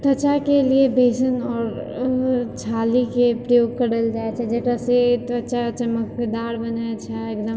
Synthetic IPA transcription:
t̪ɐt͡ʃakeliebʱeːʃənɔːɾ | t͡ʃʰaːlikepɾɐjoːɡ̚kɐɽəld͡ʒaːet͡ʃʰɛd͡ʒɐkaset̪ɐt͡ʃat͡ʃɐmək̚ped̪aːɽbɐnat͡ʃʰaekd̪əm

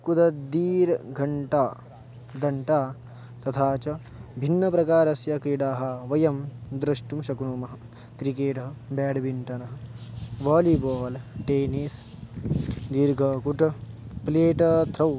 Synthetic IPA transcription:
kud̪ɐd̪iːɾɡʱɐɳʈaː | d̪ɐɳʈaː | t̪ɐt̪ʰaːt͡ʃɐ | bʱinːɐpɾɐkaːɾɐsjɐkɾiɽaːɦɐ̆ʋɐjɐmd̪ɾɐʂʈumʃɐkɳuːmɐɦɐ | kɾikeːʈɐɦɐbɛːɖbʱiɳʈɐnɐɦɐʋaːliboːlʈeːnis | d̪iɾɡʱɐkuʈɐpleːʈɐt̪ʰɾɐw

